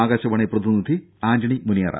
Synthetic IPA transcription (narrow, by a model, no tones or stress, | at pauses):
aːɡɐɕɐʋɐɳeprɐd̪inid̪ʱi | aːnd͡ʒɐɳimunijɐɾa̰